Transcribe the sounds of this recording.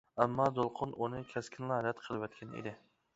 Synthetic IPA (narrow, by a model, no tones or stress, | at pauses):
æmːɑd̪olˠqʰʊnunɨkʲʰɛskʲʰɪnlˠɑhæd̪ɛt̪qʰəlˠɨwɛt̪̚kʲʰɛnḛd̪ɪ